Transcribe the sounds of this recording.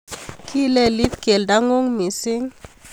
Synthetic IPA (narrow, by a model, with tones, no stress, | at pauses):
kʰi˦lɛ˦li˦t̪ke˨lda˦ŋo˦ŋmi˨si˦ŋ